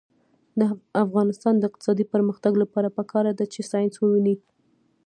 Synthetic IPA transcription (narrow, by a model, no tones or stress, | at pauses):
d̪əafɣɑnɪst̪ɑnd̪əɪq̚t̪ɪ̥sɑd̪ipəɾməxt̪aɡlapɑɾapəkʰɑɾad̪at͡ʃesɑjnswəwini